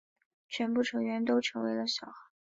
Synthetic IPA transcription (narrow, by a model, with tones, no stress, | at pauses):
t͡ɕʰɥɛ˧˥npu˥˩ʈ͡ʂʰɤ˧˥ŋɥɛ˧˥nt̪o˥ʊʈ͡ʂʰɤ˧˥ŋwe˧˥ɪlə˧ɕjɑ˨˩ʊxa˧˥˦